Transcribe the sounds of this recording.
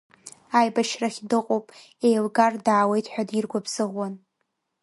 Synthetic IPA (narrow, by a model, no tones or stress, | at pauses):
ajbaʃraχʲdɨqʼopʼ | ejlɡardaːwe̞jtʰʼħʷᶣadirɡʷabz̥ɨʁwan